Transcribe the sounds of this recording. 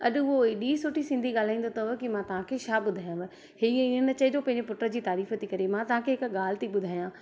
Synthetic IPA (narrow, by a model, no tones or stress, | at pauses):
ɐɗʊɦoeɗiːsʊʈʰisɪ̃ːnd̪ʱiɠaːl̤aːĩːn̆d̪ot̪ɐɦokimãt̪ɐʋ̤ãkʰeːʃaːɓʊd̪ʱaːjãʋ | hiɪnənt͡ɕɐɪd͡ʑopɐ̃ɦɪ̃ɲd͡ʑepʊʈəɾəd͡ʑiːt̪aːɾiːfət̪ikɐɾemãt̪ɐʋ̤ãkʰeɦɪkɠaːlɪt̪ʰiɓʊd̪ʱaːjãː